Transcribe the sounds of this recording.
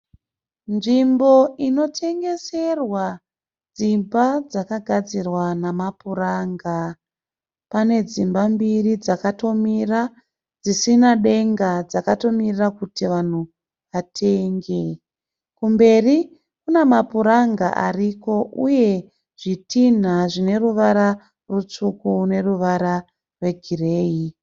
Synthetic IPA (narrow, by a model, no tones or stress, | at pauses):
nʐimbo̞ino̞tʰe̞ŋɡe̞se̞rwa | d͡zimbad͡zakaɡʱad͡zirwanamapuraŋɡa | pane̞d͡zimbambirid͡zakato̞mira | d͡zisinaɗe̞ŋɡad͡zakato̞mirirakutiʋan̤u | ʋatʰe̞ŋɡe̞ | kumbe̞ri | kune̞mapuɾaŋɡa̰ʔa̰riko̞ʔuje̞ | ʐ̥itin̤aʐine̞ruʋaɾa | rut͡ʂukune̞ruʋaɾa | rwe̞ɡʱire̞ːi